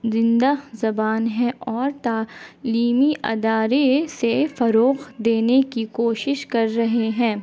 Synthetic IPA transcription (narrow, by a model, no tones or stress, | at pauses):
zɪ̃nd̪azɐbaːnɦɛ̃ɔːɾt̪aːliːmiʔɐ̰d̪aːɾesefɐɾoːɣd̪eːnekikoːʃɪʃkɐɾːɐɦeɦɛ̃ː